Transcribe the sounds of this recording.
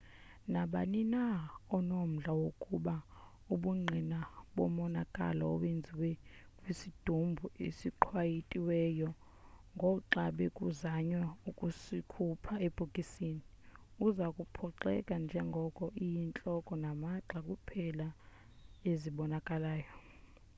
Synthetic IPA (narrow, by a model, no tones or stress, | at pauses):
naɓa̰ninaɔnom̩ɮawokʼuɓa | uɓuŋ͡ǃʱinaɓɔmɔnakʼa̰laɔ̰ɓend͡zʱiwɛ | kʼwisid̥ʱumbʱuḛsiǃʰwajitʼiwɛːjɔ | ŋɡʱɔǃaɓɛkʼuzaɲwaukʼusikʰupʰaeb̥ʱukʼisini | uzakʼupʰɔǃɛ̰kʼand͡ʒʱɛŋɡʱɔkʼɔʔijint͡ɬʼɔkʼɔnamaǁakʼupʰɛla | eziɓɔnakʼalaːjɔ